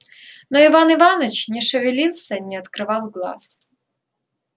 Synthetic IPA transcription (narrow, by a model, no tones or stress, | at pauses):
noɪvanɨvɑnət͡ɕnʲɪʂɨvʲɪlʲilˠsʲɐnʲɛɐt̪kɾɨvɑlˠɡlˠɑ̰s